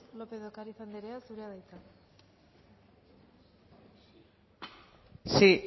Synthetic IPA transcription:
lopeðokaɾiθand̪eɾeasuɾeaðajt͡s̪a | si

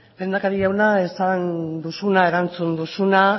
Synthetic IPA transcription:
le̞ːnd̪akaɾiʝawnaesand̪usunae̞ɾant͡sund̪usuna

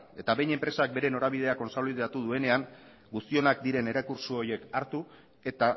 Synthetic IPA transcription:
e̞t̪aβe̞jɲe̞mpɾe̞sak̚be̞ɾe̞no̞ɾaβ̞ið̞e̞ako̞nsaliðat̪uð̞ue̞ne̞aŋ | ɡust̪io̞nak̚d̪iɾe̞ne̞ɾakuɾsuo̞ɾje̞kaɾt̪u | e̞t̪a

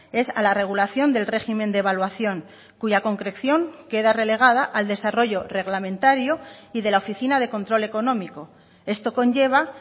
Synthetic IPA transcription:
e̞salare̞ɣ̞ulaθjo̞nd̪e̞lre̞ximẽ̞nd̪eβalwaθjo̞ŋ | kuʝako̞ŋkɾe̞kθjo̞ŋke̞ðare̞le̞ɣ̞aðaʔald̪e̞saro̞ʝo̞re̞ɣlamẽ̞nt̪aɾjoiðe̞laofiθinað̞e̞ko̞nt̪ɾo̞le̞ko̞nõ̞miko̞ | e̞st̪o̞ko̞ɲʝe̞β̞a

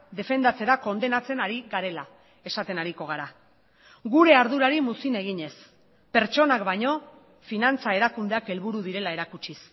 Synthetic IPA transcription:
d̪e̞fe̞nd̪at͡se̞ɾako̞nd̪e̞nat͡se̞naɾiɣaɾe̞la | e̞sat̪e̞naɾiko̞ɣ̞aɾa | ɡuɾe̞aɾð̞uɾaɾimusine̞ɣiɲe̞s | pe̞ɾt͡ʃo̞nakbaɲo̞ | finant͡sae̞ɾakund̪e̞ake̞lβuɾuðiɾe̞lae̞ɾakut͡ʃis

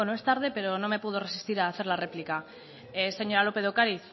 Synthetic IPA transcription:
noe̞st̪aɾðe̞pe̞ɾo̞no̞me̞puð̞o̞re̞si̥st̪iɾaːθe̞ɾlare̞plika | ese̞ɲo̞ɾalo̞pe̞ðokaɾiθ

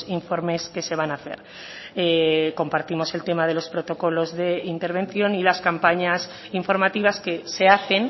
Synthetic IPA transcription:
iɱfo̞ɾme̞ske̞se̞β̞anaθe̞̰ɾ | eko̞mpaɾt̪imo̞se̞lt̪e̞mað̞e̞lo̞spɾo̞t̪o̞ko̞lo̞zðe̞int̪e̞ɾβ̞e̞nθjo̞nilaskampaɲas | iɱfo̞ɾmat̪iβ̞aske̞se̞aθe̞n

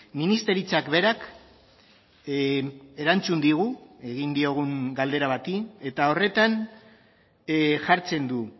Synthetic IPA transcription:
minist̪e̞ɾit͡sakβe̞ɾak | e̞ɾant͡sund̪iɣ̞ue̞ɣind̪io̞ɣ̞uŋɡald̪e̞ɾaβat̪ie̞t̪ao̞re̞t̪an | ʝaɾt͡se̞nd̪u

